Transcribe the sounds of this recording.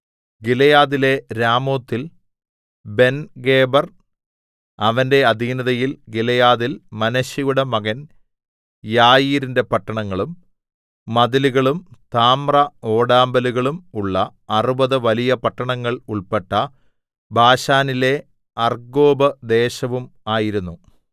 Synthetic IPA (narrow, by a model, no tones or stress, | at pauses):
ɡilɐjaːðile̞ɾaːmo̞ːt̪ːil | be̞nɡe̞ːbɐr | ɐʋɐnde̞ɐd̪ʱiːnɐðɐjilɡilɐjaːðilmɐnɐɕɐjuɽemɐɣɐn | jaːjiːɾinde̞pɐʈːɐɳɐŋːɐɭumː | ɐðiluɣɐɭumt̪aːmrɐo̞ːɽaːmbɐluɣɐɭumuɭːɐːrubɐðɨʋɐlijɐpɐʈːɐɳɐŋːɐɭuɭpeʈːɐ | bʱaːɕaːnile̞ | ɐrɡo̞ːbɐd̪e̞ːɕɐʋumaːjiɾunːu